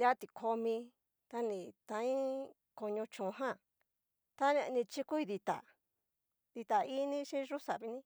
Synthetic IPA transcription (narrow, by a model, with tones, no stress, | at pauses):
dja˦t̪i˧kʰo˧mĩ˧ | t̪a˦nĩ˧˨t̪ã˧ĩ˦ | ko˧ɲõ˧t͡ʃũ˨˧ɦã˦˨ | t̪a˦nẽ˧nĩ˧t͡ʃi˦ku˦i˧ði˧t̪a̰˨ | ði˧t̪a˨i˦nĩ˦ʃĩ˦ʐu˦sa˨βi˧nĩ˦